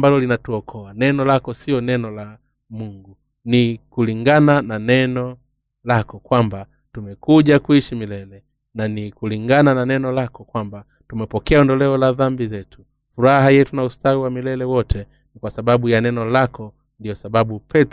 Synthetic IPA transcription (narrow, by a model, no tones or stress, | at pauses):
mbalɔlinatuɔkʰɔanɛnɔlakɔsiɔnɛnɔla | muŋɡu | nikuliŋɡanananɛnɔ | lakɔkwamba | tumɛkuʄakuiʃimilɛlɛ | nanikuliŋɡanananɛnɔlakɔkwamba | tumɛpɔkɛaɔndɔlɛɔlaðambizɛtu̥ | fuɾaɦajɛtunaustawiwamilɛlɛwɔtʰɛ | nikwasaɓaɓujanɛnɔlakɔ | ndijɔsaɓaɓupʰɛt